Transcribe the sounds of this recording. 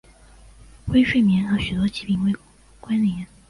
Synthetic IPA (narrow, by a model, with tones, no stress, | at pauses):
xwe˥ɪʂwe˥˩ɪmjɛ˧˥nə˧˥ɕy˨˩t̪̬wɔ˥t͡ɕi˧˥˩pi˧˩ŋwe˥˩ɪ | kwa˥nljɛ˧˥n